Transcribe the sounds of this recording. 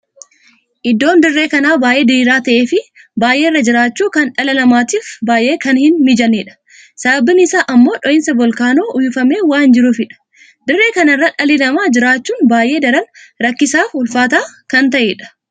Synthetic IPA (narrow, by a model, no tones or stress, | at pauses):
ʔɪd̪ːo̞ːnd̪ɪrːe̞ːkɐnaːbaːjʔe̞ːd̪ɪɾiːɾaːt̪ɐʔeːfɪ | baːʔe̞ːɪrːɐd͡ʒɪɾaːt͡ʃːuːkɐnᶑɐlɐlɐmaːt̪iːfbaːʔe̞ːkɐnhɪnmɪd͡ʒɐneːᶑɐ̥ | sɐbɐbɪnɪsaːʔɐmːo̞ːᶑɔʔɪnsɐbɔlkaːnoːʔʊjɪfɐme̞ːwaːnd͡ʒɪɾʊfɪᶑɐ̥ | d̪ɪrːe̞ːkɐnɐrːɐᶑɐlɪlɐmaːd͡ʒɪɾaːt͡ʃːuːnbaːjʔe̞ːd̪ɐɾɐnɾɐkːɪsaːfʊlfaːt̪aːkɐnt̪̬ɐʔeːᶑɐ̥